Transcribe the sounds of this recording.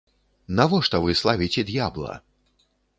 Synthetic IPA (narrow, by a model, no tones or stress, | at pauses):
navɔʂt̪ɔvɨslˠavʲit͡sʲɛd̪jablˠɐ̰